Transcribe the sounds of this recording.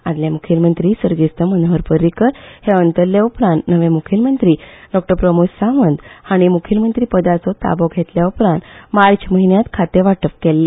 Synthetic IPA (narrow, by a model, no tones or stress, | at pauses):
ad̪ljamukʰilmənt̪ɾiːsəɾɡist̪əmənəʋəɾpəɾikəɾheənt̪əɾljaupɾãnt̪nəʋẽmukʰilmənt̪ɾiːɖɔk̚ʈəɾpɾəmussaʋənd̪haɽ̃imukʰilmənt̪ɾiːpəd̪at͡sɔt̪a̰bɔɡʱet̪ljaupɾãnt̪maɾt͡ɕməɦinjat̪kʰat̪eʋaʈəpkelːe